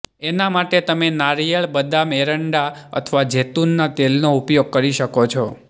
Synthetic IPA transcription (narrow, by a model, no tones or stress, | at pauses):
enamaʈet̪əmenaɾijəɭbəd̪ameɾəɳɖaə̰t̪ʰʋad͡ʒet̪unːat̪elnoupjoɡ̚kəɾiʃəkot͡ʃʰɔ